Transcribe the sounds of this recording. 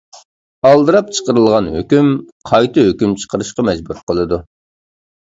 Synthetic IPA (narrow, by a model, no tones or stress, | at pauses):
ɑlˠd̪ɨɾɑp̚t͡ʃʰə̥qəɾɨlˠʁɑnhø̰kʲymqʰɑjt̪ɨhøkʲymt͡ʃʰə̥qʰəɾɨʃqɑmɛd͡ʒbuɾqəlˠɨd̪u